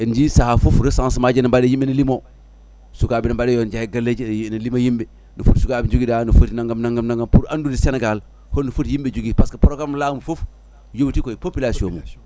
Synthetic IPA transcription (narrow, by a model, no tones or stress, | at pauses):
ind͡ʒisahafufɾesaŋsimad͡ʒenibadejimbenilimo | sukabinibadejond͡ʒajiɡalːed͡ʒnilimojimbe | nifutsukabid͡ʒuɡidanifutinaŋɡamnaŋɡamnaŋɡampuɾandudiseneɡal | honːifutjimbed͡ʒuɡipaskapoɾoɡamlamufof | jotikoipopilasijomo̰